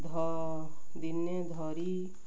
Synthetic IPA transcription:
d̪ʱɔ | d̪inːed̪ʱɔɾi

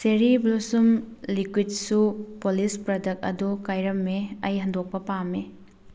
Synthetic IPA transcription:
seɾiblusumlikwid̚supolispɾɐdɐk̚ɐ̰dukajɾɐmːeɐjɦɐndok̚pɐpame

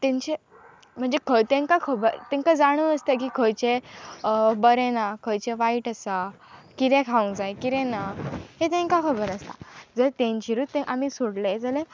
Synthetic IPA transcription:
t̪ɛ̃ɲt͡ɕe | m̤əɳd͡zekʰət̪ẽŋkakʰəbəɾt̪ɛ̃ŋkad͡zaɽ̃uːəst̪ekiːkʰəjt͡ɕe | bəɾẽnakʰəjt͡ɕeʋaiʈasa | kit̪ɛ̃kʰaũd͡zaekiɾɛ̃naɦet̪̬ẽŋkakʰəbəɾast̪a̰d͡zəlt̪ẽɲt͡ɕiɾuːt̪ːẽʔamisoɽled͡zəle

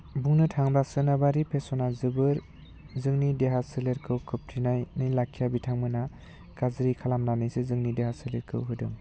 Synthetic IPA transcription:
buŋnɯtʰaŋbasɯnabaɾipʰesɔnazɯbɯɾ | zɯŋnideɦasɯleɾkʰɯwkʰɯp̚tʰinajnɯjlakʰːijabitʰaŋmɯna | kazɯɾikʰalamnanɯjsɯzɯŋnideɦaseleɾkʰɯ̰wɦɯdɯŋ

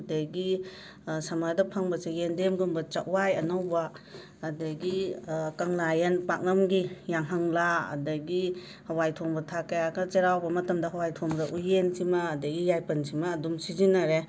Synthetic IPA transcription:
dɐɡi | samadɐpʰaŋbɐsejendemɡumbɐt͡ʃaʔwajɐnɐwbaː | dɐɡikɐŋlajɐnpak̚nɐmɡijaŋɦaŋla̰ːdɐɡi | hɐwajtʰoŋbɐtʰakɐjaɡɐt͡ʃeɾawbɐmɐtɐmdɐɦɐwajtʰoŋɾɐʔujensimaːdɐɡijajpɐnsimɐːdumsizinɐɾe

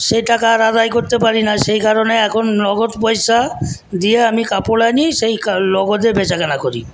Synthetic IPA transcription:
ʃejʈakaɾad̪ajkoɾt̪epaɾinaʃejkaɾoneɛkʰonːɔɡot̪pɔjʃad̪ieamikapolaniʃejkalɔɡod̪ebet͡ɕakanakoɾḭ

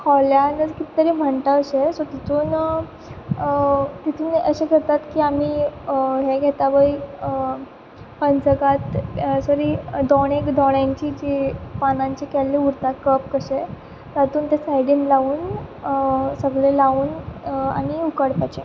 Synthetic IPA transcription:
hɔljanəɾkit̪i̥t̪əɾim̤əɳʈ̪aəɕesɔt̪it̪ʰuːn | t̪it̪ʰuːnəɕẽkəɾt̪at̪kiːamiːɦeɡʱɛt̪aʋəi | pənt͡səɡat̪səɾiːd̪ɔɽ̃ekd̪ɔɽjaɲt͡ɕiːd͡ʑepanãɲt͡ɕekɛlːeuɾt̪akəp̚kəɕe | t̪at̪uːnt̪esajɽinlauːn | səɡɭelauːna̰ɽ̃iukəɽpat͡ɕe

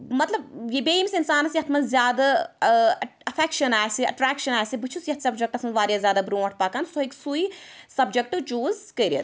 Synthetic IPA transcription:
mɐt̪lɐbjibeːimsinsaːnɐsjɐt̪ʰmɐzʲjaːd̪a | ɐfʰekʃɐnaːjsiɐ̰ʈɾaːkʃɐnaːjsibɨt͡ʃʰusjɐt̪sʲɐbd͡ʒɐk̚ʈɐsʰmɐʋaːɾjaːzʲjaːd̪abɾõːʈ̚ʰpaːkansoiksuisɐbd͡ʒek̚ʈɨʋt͡ʃuːzkɐːɾiɐ̰t̪

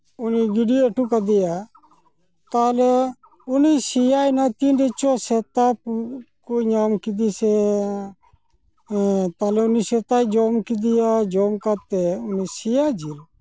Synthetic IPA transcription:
ʊniɡɪɖiəʈʰuːkəd̪ijaː | t̪aːle | ʊnisijaːinat̪iːnɖet͡ʃoːset̪aːpkoɲaːmkɪd̪iːseː | t̪aːleʊniːseːt̪aːid͡ʒoːmkɪd̪ijaːd͡ʒoːmkat̪ːeʊniːsijaːd͡ʒiɾ

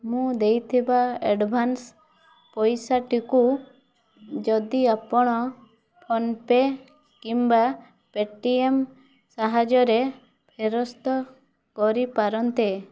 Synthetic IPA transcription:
mũd̪ejt̪ʰibaeɖbʱans | pɔjsaʈiku | d͡ʒɔd̪iapɔɽ̃ɔ | pʰɔnpe | kimba | peʈiem | saɦad͡ʒɔɾe | pʰeɾɔst̪ɔ | kɔɾipaɾɔnt̪e

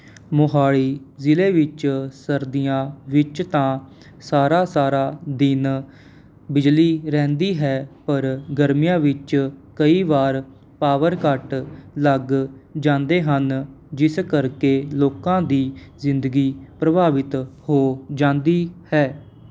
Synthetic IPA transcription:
mʊɦaːɭiːzɪleːʋɪt͡ʃsəɾd̪ɪjãːʋɪt͡ʃt̪ãː | saːɾaːsaːɾaːd̪ɪn | bɪd͡ʒliːɾɛ̃ːnd̪iːɦɛːpəɾɡəɾmijãːʋɪt͡ʃkəiːʋaːɾ | paːʋəɾkəʈləɡd͡ʒãːnd̪eːɦən | d͡ʒɪskəɾkeːloːkãːd̪iːzɪ̃nd̪əɡiːpɾəbʱaːʋɪt̪hoːd͡ʒãːnd̪iːhɛː

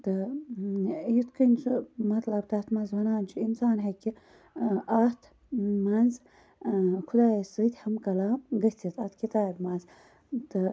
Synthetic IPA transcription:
t̪ɨ | jit̪kʰənʲsʰumɐt̪lɐb̚t̪ɐt̪mɐnzʋɐnaːnt͡ʃʰiinsaːnɦekʲi | ʔɐt̪ʰ | mɐnz | kʰud̪aːjisɨt̪ʲhɐmkɐlaːmɡɐsʲt̪ʲit̪ʰat̪kit̪aːbmɐnz | t̪ɨ

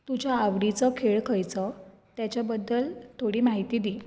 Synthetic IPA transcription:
t̪ud͡ʑjaːʋɽit͡səkʰeɭkʰəjt͡sə | t̪jat͡ɕjabəd̪ːəlt̪ʰoɽiːmaɦit̪iːd̪iː

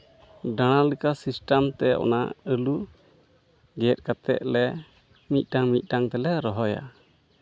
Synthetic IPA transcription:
ɖaɽ̃alikasisʈamt̪ɛʔɔ̰naəlu | ɡɛt̚kat̪ɛ̰ʔ̪̚lɛ | mit̪̚ˀʈaŋmit̪̚ˀʈaŋt̪ɛlɛɾɔɦɔja̰

